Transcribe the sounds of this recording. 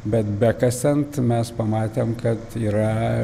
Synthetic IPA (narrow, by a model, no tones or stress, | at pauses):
bʲɛt̪bʲɛkɐst̪ʲɛnt̪mʲɛspɐmɑːt̪ʲeːmkɐt̪iːɾɐ